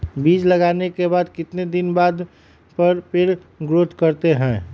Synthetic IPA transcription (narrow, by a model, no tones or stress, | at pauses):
biːd͡ʒləɡaːnekebaːd̪kɪt̪ned̪ɪnbaːd̪ | pəɾpʰɪɾ | ɡɾoːt̪kəɾt̪eɦɛ̃ː